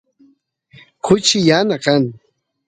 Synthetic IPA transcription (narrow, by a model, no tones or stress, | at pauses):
kʰʊt͡ʃɪjanakaŋ